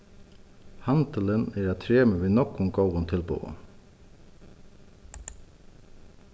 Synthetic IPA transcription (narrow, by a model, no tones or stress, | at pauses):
hɑnt̪ələneːɾæːt̪ʰɾeːməʋiːnɔkʊŋɡɔːʋʊnt̪ʰɪlbṵːə̰